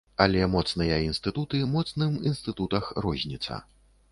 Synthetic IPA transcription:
ɐlʲɛmɔt̪snɨjɐinst̪ɨt̪ut̪ɨmɔt̪snɨminst̪ɨt̪ut̪ɐxrɔzʲnʲit̪sɐ̰

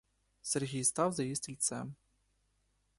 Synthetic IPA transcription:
sɛrɣʲejst̪awzɐjisʲt̪ʰʲilʲt͡sa

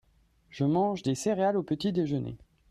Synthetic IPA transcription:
ʒəmɑ̃ʒd̪eseʁealopət̪id̪eʒənḛ

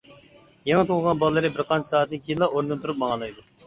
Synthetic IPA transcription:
jeŋət̪ʰolˠʁɑnbɑlˠəlːˠɨɾɨbɪɾqʰɑnt͡ʃʰɪ̥sɑːt̪̚nɪnkʲʰijilːˠɑʔoɾnɨnt̪ʰuɾup̚mɑŋɑlˠɑjd̪u

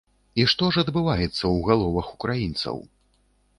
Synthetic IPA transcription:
iʂt̪ɔʐɐd̪bɨvajɛt̪sːɐwɣalˠɔvɐxu̥kɾajint̪sɐ̰w

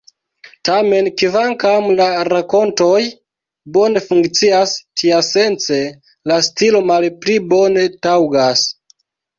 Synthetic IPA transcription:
tame̞nkivaŋkamlaɾako̞nto̞j | bo̞ne̞fuŋkt͡siastʰiase̞nt͡se̞ | lastilo̞malplibo̞ne̞tawɡas

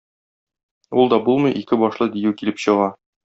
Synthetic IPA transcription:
ulˠd̪ɒbulˠmɤ̆jʔikɘbɒʃlˠɤd̪ijʉkilɘpɕɤ̆ʁɑ

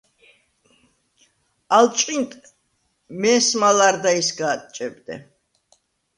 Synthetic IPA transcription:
alt͡ʃʼqʼint̪ʰʼ | mɛːsmalaɾd̪aisɡaːt̪ʼt͡ʃʼɛb̚d̪ɛ̰

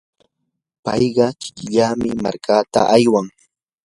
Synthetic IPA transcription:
pɑjɢɑkɪ̥kɪʎaːmɪma̰ɾkʰaːt̪a̰ʔajwaŋ

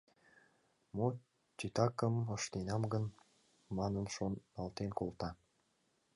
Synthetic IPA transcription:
mo | t͡ɕit̪ɑkəməʃt̪enɑmɡən | mɑnənʃonːɑlt̪enkolt̪ɑ

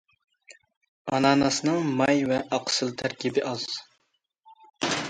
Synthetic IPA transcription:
ɑnɑːnɑsɨnɨŋmɑjvɛʔɑqsɨlˠt̪ʰæɾkʲibɪʔɑz̥

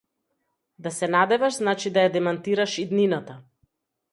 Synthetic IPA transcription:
d̪asɛnad̪ɛvaʃznat͡ʃid̪ajad̪ɛmant̪iɾaʃid̪ninat̪a

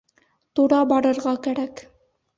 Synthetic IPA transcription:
t̪uɾɑbɑɾɤ̆ɾʁɑkæɾæk

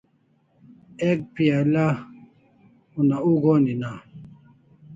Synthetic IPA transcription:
ek̚piala | unauɡonina

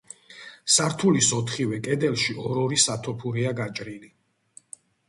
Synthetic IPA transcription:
saɾt̪ʰulisɔt̪ʰχivɛkʼɛd̪ɛlˠʃiʔɔɾɔɾisat̪ʰɔpʰuɾiaɡat͡ʃʼɾili

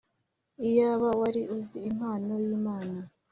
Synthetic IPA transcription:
ijaβawaɾiʔuziːm̥haːno̞jiːmaːna

